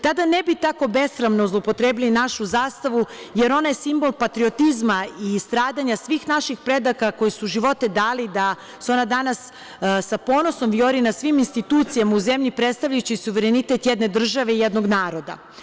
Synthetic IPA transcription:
t̪ad̪anebit̪ako̞be̞sɾamnozlˠopo̞t̪ɾeːbilinaʃuzaːst̪aʋuje̞ɾo̞najesimbo̞lˠpat̪ɾio̞t̪izmaist̪ɾaːd̪aɲasʋiːxnaʃixpɾe̞d̪akako̞jisuʒiʋo̞t̪e̞d̪aːlid̪a | suo̞nad̪anas | sapo̞ːnoso̞mvjo̞ɾinasʋiminst̪it̪uːt̪sijamauzemʎipɾet̪st̪aʋʎajut͡ɕisuʋeɾenit̪e̞t̪jed̪ne̞d̪r̩ʒaʋe̞ijed̪no̞ɡnaːɾo̞d̪a̰

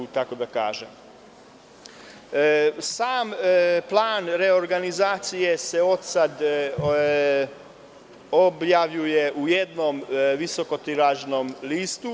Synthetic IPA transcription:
t̪ako̞d̪aka̰ːʒḛm | saːmplˠaːnɾe̞o̞ɾɡanizaːt̪sije̞se̞o̞d̪sad̪ | objaʋʎujeʔuje̞d̪nomʋiso̞ko̞t̪iɾaʒno̞mliːst̪u

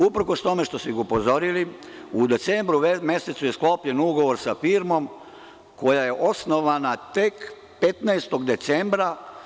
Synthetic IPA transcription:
upɾ̩ko̞st̪o̞me̞ʃt̪o̞siɡupo̞zo̞ɾili | ud̪e̞t̪sembɾume̞se̞t̪suje̞sklo̞pʎe̞nuɡo̞ʋo̞ɾsafiɾmo̞m | ko̞jaje̞ʔo̞sno̞ʋanat̪ek | pe̞t̪naest̪o̞ɡd̪e̞t̪sembɾa

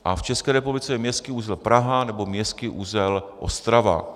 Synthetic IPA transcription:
ʔaft͡ʃɛskɛːɾɛpublɪt͡sɛjɛmɲɛst̪kɪuzɛlpɾaɦanɛbomɲɛst̪kɪʔuzɛlʔost̪ɾava̰

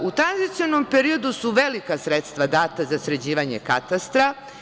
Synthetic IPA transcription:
ut̪ɾanzit̪sionompeɾio̞d̪usuʋelikasɾet̪st̪ʋad̪aːt̪azasɾed͡ʑiːʋaɲekat̪ast̪ɾa

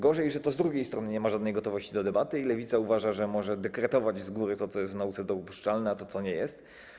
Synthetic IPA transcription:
ɡɔʐɛjʐɛt̪ɔzd̪ɾuɡʲejst̪ɾɔnɘɲɛmaʐad̪nɛjɡɔt̪ɔvɔɕt͡ɕid̪ɔd̪ɛbat̪ɘilɛvʲit̪sauvaʐaʐɛmɔʐɛd̪ɛkɾɛt̪ɔvad͡ʑzɡuɾɘt̪ɔt̪sɔjɛst̪vnaut̪sɛd̪ɔupuʂt͡ʂalnɛat̪ɔt̪sɔɲɛjɛst̪

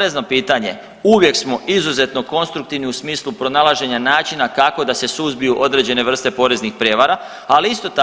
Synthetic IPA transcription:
ɾezno̞piːt̪aɲe̞̰ | uʋje̞ksmo̞ʔizuze̞t̪no̞ko̞nst̪ɾuk̚t̪iʋniusmiːslˠupɾo̞nalˠaʒe̞ɲanaːt͡ʃinakako̞d̪ase̞suzbijuʔo̞d̪ɾe̞d͡ʑe̞ne̞ʋr̩st̪e̞po̞ɾe̞znixpɾje̞ːʋaɾa | aliist̪o̞t̪a

